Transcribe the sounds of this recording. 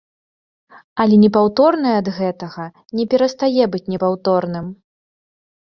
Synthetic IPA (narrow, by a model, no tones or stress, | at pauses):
ɐlʲɛnʲɛpawt̪ɔrnɨjɐd̪ɣɛt̪ɐɣɐ | nʲɛpʲɛɾɐst̪ajɛbɨt͡sʲnʲɛpawt̪ɔrnɨm